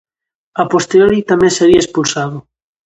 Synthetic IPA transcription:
apost̪eoɾit̪amẽnseɣiaespulsaðo

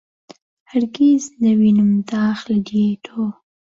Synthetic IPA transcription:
haɾɡizd̪əwinʊmt̪ɑːxlad̪eʈʰo

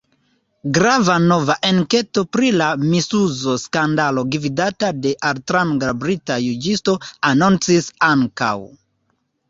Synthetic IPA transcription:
ɡɾavano̞vaʔeŋke̞to̞pɾilamisuzo̞skandalo̞ɡividatade̞ʔaltɾaŋɡabɾitajud͡ʒisto̞anont͡sisaŋka̰w

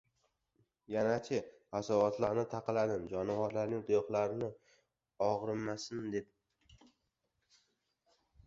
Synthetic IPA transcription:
janat͡ʃʰɪ | asavɒt̪laɾnɪt̪ʰaqɨlad̪ɪmd͡ʒɒnavaɾlaɾnɪŋd̪ojɒχlˠaɾɪnɪ | ɒʁɾɪmːasɪmd̪et̪̚

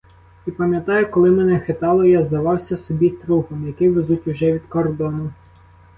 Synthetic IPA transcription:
ipɐmʲjɐt̪ɑjʊkɔlˠɪmɛnɛxet̪ɑlˠɔjazd̪ɐʋɑwsʲɐsɔbʲit̪ɾuxɔmjɐkɪʋezutʲuʒɛʋʲid̪kɔrd̪ɔnʊ

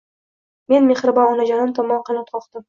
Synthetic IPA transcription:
me̞nme̞χɾɪbɒɒnad͡ʒɒnant̪ʰɒmːɒnqɑnɑpt̪̚qʰɒqd̪ɪm

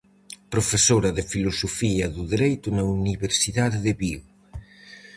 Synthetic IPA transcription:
pɾofesoɾɐðɪfilosofiɐðuðeɾejt̪ʊnɐuniβeɾsiðaðeðeβi

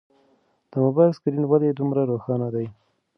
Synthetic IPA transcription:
d̪̥əmʊbɑjɪskɪɾinwad̪ed̪umɾaɾoxɑnad̪aj

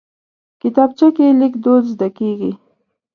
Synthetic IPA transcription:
kɪt̪ɑb̚t͡ʃakelɪkd̪od̪zd̪akeɡi

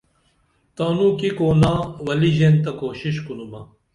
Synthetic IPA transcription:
t̪aːnukikoːnãːwɐliʑeːnt̪ɐkoːɕiɕkunumɐ

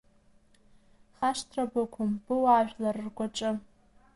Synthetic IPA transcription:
χaʂtʰrabakʷʰʊmb̥ɨwaːʒᶣlarrɡʷaʈ͡ʂʼɨ

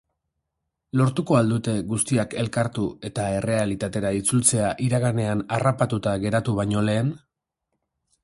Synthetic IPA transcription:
lo̞ɾt̪uko̞ald̪ut̪e̞ɣust̪iake̞lkaɾt̪ue̞t̪ae̞re̞alit̪at̪e̞ɾait͡sult͡se̞aʔiɾaɣane̞anarapat̪ut̪aɣe̞ɾat̪uβajɲo̞le̞ːn

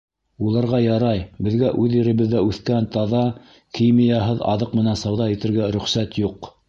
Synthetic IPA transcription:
ulˠɑɾʁɑjɑɾɑjbɘ̆ðɡæʔʉðɘɾɘ̆βɘ̆ðːæʉθkænt̪ɑðɑ | kijmijɑɦɤðɑ̰ðɤqmɘ̆nænsɑwðɑit̪ɘ̆ɾɡæɾɵ̆χsæt̪juq

